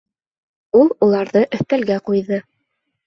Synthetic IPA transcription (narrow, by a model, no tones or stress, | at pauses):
ulˠulˠɑɾðɤʔɵ̆θt̪ælɡæqujðɤ